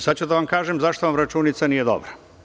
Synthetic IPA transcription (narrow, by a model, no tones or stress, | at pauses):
sad̪t͡ɕud̪aʋamkaːʒemzaʃt̪oʋamɾat͡ʃuːnit̪sanije̞d̪o̰bɾa